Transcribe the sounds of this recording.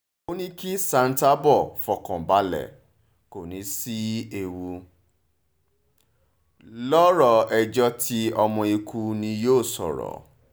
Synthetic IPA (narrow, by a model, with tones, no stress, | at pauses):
o˦nĩ˦ki˦sa˧n̩˦ta˦bɔ˦˨fɔ˨kɔ̃˨ba˨˦lɛ̰˨ | ko˨nĩ˨˦si˦e˧wu˧ | lɔ˦ɾɔ˨ɛ˧d͡ʒɔ˦tʰi˧ɔ˧mɔ̃˧e˧ku˧nĩ˧joː˦˨sɔ̰˨ɾɔ̰˨˦